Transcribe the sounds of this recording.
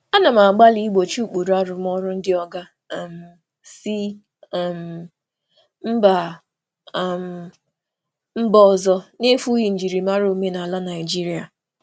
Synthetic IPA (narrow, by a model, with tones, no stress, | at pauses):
a˦na˨ma˨ɡ͡ba˦li˦i˦ɡ͡bo˨t͡ʃu˦˨k͡pu˨ɾa˦ɾʊ˦m˦ɔ˦ɾʊ˦n̩˦dɪ˦ɔ˦ɡa˦˨ | m̩˨ | si˦˨ | m̩˨ | m̩˦ba˨ | m̩˨ | m̩˦bɔ˦ɔ˨zɔ˦ne˦fu˦ji˨n̩˨d͡ʒi˨ɾi˨ma˦ɾo˨˦me˦na˨a˨la˦na˨ɪ˨d͡ʒi˦ɾi˦a˨